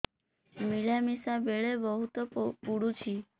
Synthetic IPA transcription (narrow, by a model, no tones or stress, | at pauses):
milamisabeɭebəɦut̪opuɽut͡ʃʰi